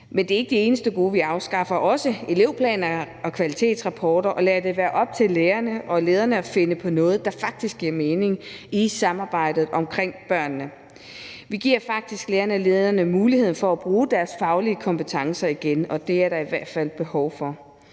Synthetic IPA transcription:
mend̥e̝ːɐe̝ɡ̥əd̥ie̝ːnəsd̥əɡ̥o̝̰ːʋiɑ̈ʊsɡ̥ɑ̈fɐʔɒ̽səe̝le̝ʊ̰pʰlɛ̰ːnɐ | ɒ̽kʰʋælit͡sʰe̝̰ːd̥sʁɑ̈pʰɒːɾ̥ɐʔɒ̽læɐd̥e̝ʋæːɐʔɒ̽b̥̚t͡sʰe̝lːeːɐnəʔɒ̽le̝ːð̞ˠɐnəɒfe̝nəpʰɒ̽nɔ̽ːð̞̩ˠd̥ɑ̈fɑ̈ɡ̥̚d̥isɡ̥iɐme̝ːne̝ŋisɑ̈mɑ̈ːb̥ɑ̈ɪ̰d̥ð̞̩ˠʔɒ̽mkʰʁeŋ̰b̥ɶɐ̰nːə | ʋiɡ̥iɐ̰fɑ̈ɡ̥̚d̥isɡ̥leːɐnəæle̝ːð̞ˠɐnəmuːlihð̰ˠn̩fɒ̽æb̥ʁuːd̥æɐsfɑ̈ʊliəkʰɒ̽mpət͡sʰɑ̈ŋsɐiɡ̥enɒ̽d̥e̝æɐɾ̥ɑ̈iʋæɐ̰d̥fæl̰b̥e̝hɒʊfɒ

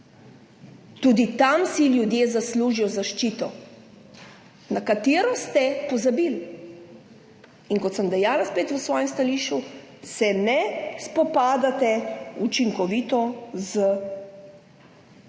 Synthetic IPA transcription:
t̪uːd̪it̪amsiljud̪jeːzasluːʒijɔzaʃt͡ʃit̪ɔ | nakat̪eːɾɔst̪ɛpɔzabiːl | inkɔt̪səmd̪ɛjaːlaspeːt̪ʋəsʋɔːjɛmst̪aliːʃusɛnɛspɔpaːd̪at̪ɛut͡ʃiŋkɔʋiːt̪ɔzə

